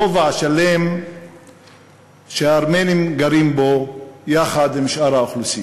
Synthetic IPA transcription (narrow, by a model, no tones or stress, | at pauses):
ovaaʃalem | ʃeaːɾmenimɡaɾimbojaχad̪imʃʔaɾaoχlusi